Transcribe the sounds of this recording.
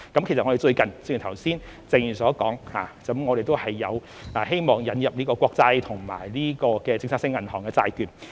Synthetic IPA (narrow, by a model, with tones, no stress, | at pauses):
kɐ˦mkʰe˨˩s̚ŋɔ˧e˨t͡ʃɵ˧ɥkɐ˨˩nt͡sɪ˧kːt̪ʰɐ˨˩wsiː˥n | t͡se˧ŋjy˨˩sɔː˨˥kɔː˨˥ŋha̰ː˨˧t͡sɐ˨˥mŋɔː˨˧ɾe˨jt̪o˥whɐ˨jːɐ˨˧w | ʔaː˨˩ɦe˥jmɔː˨ŋjɐ˨˧njɐ˨p̚niː˥kɔː˧kʷɔː˧k̚t͡sɐ˧jt̪ʰʊ˨˩ŋma̰ː˨˩jliː˥kɔː˧kɛː˧t͡sɪ˧ŋsʰaː˥sɪ˥ŋɐ˨˩nhɔː˨˩ŋkɛː˧t͡sa̰ː˧jt̪yː˨˩n